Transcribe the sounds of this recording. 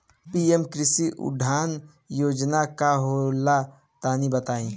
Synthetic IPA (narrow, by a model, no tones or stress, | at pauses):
piemkɾɪsiʔʊ̰ɖʱaːn | joːd͡ʒnakaɦola | t̪aːnibət̪aːĩ